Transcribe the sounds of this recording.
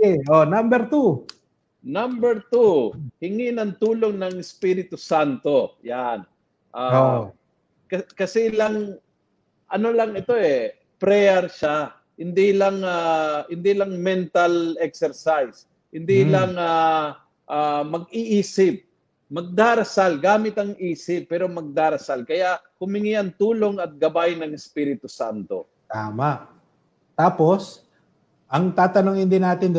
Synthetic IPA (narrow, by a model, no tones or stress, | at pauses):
ɛʔonambɛɾt̪u | nambɛɾt̪uhɪŋinɐŋt̪uːloŋnɐŋɪspiːɾɪt̪ʊsant̪o̞jan | ʔao | kɐkɐsɛlaŋ | ʔɐnolɐŋɛt̪o̞ʔɛ | pɾɛjɛɾʃa | hɪnd̪ilɐŋahɪnd̪ilɐŋmɛnt̪alɛk̚sɛɾsajs | hɪnd̪ilɐŋa | ʔamɐɡ̚ɪʔiːsɪp̚ | mɐɡ̚d̪aːɾɐsalɡaːmɪt̪ɐŋʔiːsɪpːɛːɾo̞mɐɡ̚d̪aːɾɐsalkɐjaʔ | hʊmɪŋiʔɐŋt̪uːlo̞ŋɐt̪̚ɡɐbajnɐŋɪspiːɾɪt̪ʊsant̪o̞̰ | t̪aːmaʔ | t̪aːpo̞s | ʔɐŋt̪aːt̪ɐnoŋhɪnd̪inaːt̪ɪnd̪